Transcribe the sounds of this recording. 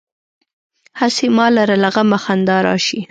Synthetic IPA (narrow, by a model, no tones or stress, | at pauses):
hasemɑlaɾalaɣamaxand̪ɑɾɑ̰ʃi